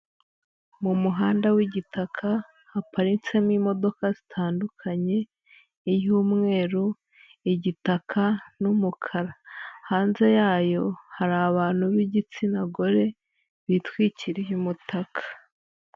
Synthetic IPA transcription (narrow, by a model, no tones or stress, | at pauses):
mumuɦaːndawiɟitakʰa | hapaɾit͡se̞mwimo̞do̞kazitʰaːndukʰaɲe̞ | ijuːmŋe̞ːɾu | iɟitakʰanumukʰaɾahaːnze̞jaːjo̞haɾaβaːn̥huβiɟit͡sinaɡo̞ɾe̞ | βitwiːciɾijumutakʰḁ